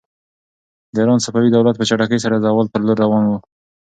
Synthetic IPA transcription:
d̪əiɾɑnsapɑwid̪awlat̪̚pət͡ʃaʈakəjs̬aɾad̪əawalp̪əɾloɾːawɑnwu

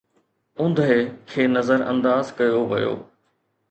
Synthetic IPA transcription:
ʊ̃nd̪ʱekʰeːnɐzəɾɐ̰̃nd̪aːzkɐjoʋɐ̰jo̰ː

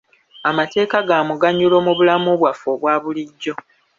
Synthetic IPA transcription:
amate̞ːkaɡaːmuɡaɲːulo̞muβulamuβwafoβwaːβuliɟːo̞

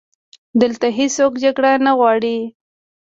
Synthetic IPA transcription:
d̪əlt̪aɦisokd͡ʒaɡɽanaɣwɑɽi

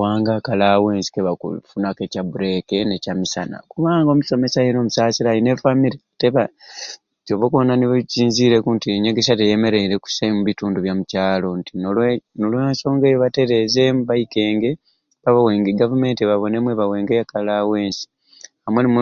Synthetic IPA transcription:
waːŋɡakalawe̞ːnsi̥keβakṵfunake̞cabuɾe̞kenecamisa̰na̰kuβaːŋɡo̞ːmuso̞me̞sajeno̞ːmusasiɾajinefamiɾiteβa | co̞βokonaniβciːnziɾe̞kuntieɲeɡeʃatejeme̞ɾe̞iɾe̞ku̥samuβituːnduβjamucaːlo̞ntinnolwaːnso̞ːŋɡejoβate̞ɾe̞ze̞muβaike̞ːŋɡe | βaβawe̞ːŋɡeɡavume̞ːntiβaβo̞ne̞mwe̞βawe̞ːŋɡejakalaweːnsi̥ | amwenimu

